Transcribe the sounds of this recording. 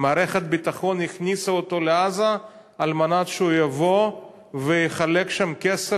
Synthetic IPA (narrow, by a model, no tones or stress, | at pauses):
maːɾeχet̪̚bit̪aχo̞niχnisaot̪o̞leazaː | lmanat̪ʃeujavo̞ | vejiχalekʃamkese